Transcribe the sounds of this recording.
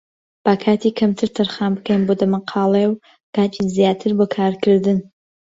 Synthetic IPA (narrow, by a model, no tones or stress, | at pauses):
b̥akʰaːt̪ʰiːkʰɐmt̪ʰɨɾt̪ʰɐɾχaːmbɨkʰɐjnbod̪ɐmɐqʰɑːlˠɐjw | kaːt͡ʃʼizjaːt̪ʰɨɾbokʰaːɾkʰɨɾd̪ɨn